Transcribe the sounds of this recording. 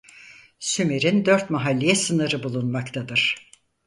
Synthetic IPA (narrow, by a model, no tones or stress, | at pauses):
symiɾind̪øɾt̪maɦalʲːijɛsɯnɯɾɯbulˠunmakt̪ʰad̪ɯɾ̥